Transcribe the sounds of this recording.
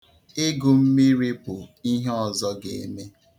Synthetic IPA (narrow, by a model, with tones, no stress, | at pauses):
ɪ˦ɡʊ˨m̩˦mi˦ɾi˦pʊ˨i˦ɦe˦ɔ˨zɔ˦ɡe˨e˨me˦